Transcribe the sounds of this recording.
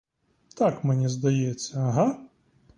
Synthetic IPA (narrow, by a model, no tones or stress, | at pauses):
t̪akmʲɛnʲɛzd̪ɐjɛt͡sʲsʲːɐːɦa